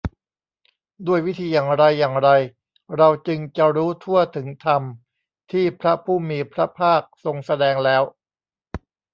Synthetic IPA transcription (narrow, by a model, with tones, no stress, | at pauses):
du˥˩əjwi˦˥t̪ʰiː˧jaː˨˩ŋɾa˧jːaː˨˩ŋɾa˧j | ɾa˧wt͡ɕɯ˧ŋt͡ɕa˨˧ɾuː˦˥t̪ʰu˥˩ɐt̪ʰɯ˩˦ŋt̪ʰa˧m | t̪ʰiː˥˩pʰɾa˦˥pʰuː˥˩miː˧pʰɾa˦˥pʰaː˥˩k̚so˧ŋsa˧dɛː˧ŋlɛː˦˥w